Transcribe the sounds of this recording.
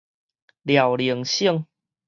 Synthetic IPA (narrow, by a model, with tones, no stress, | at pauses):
lja˨˩wli˨˦əŋɕiə˥˧˨ŋ